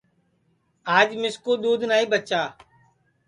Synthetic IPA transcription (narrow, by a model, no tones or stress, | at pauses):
aːd͡ʒmɪskoːd̪uːd̪ʱnaːiːbət͡ʃaː